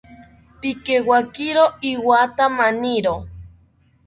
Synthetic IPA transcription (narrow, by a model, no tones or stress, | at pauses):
pikewakiɾoiwat̪amaniɾo